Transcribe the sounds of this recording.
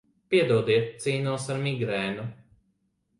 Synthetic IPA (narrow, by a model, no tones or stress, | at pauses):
pʲiɛd̪uɔd̪iɛt̪̚t̪siːnuɔsaɾmiɡɾɛːnu